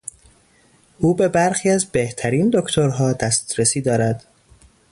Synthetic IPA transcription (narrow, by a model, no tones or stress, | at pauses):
ʔuːbe̞bæɾxiːæzbeht̪ʰæɾiːnd̪o̞kʰt̪ʰo̞ɾɦɒːd̪æst̪ɾesiːd̪ɒːɾæd̪̥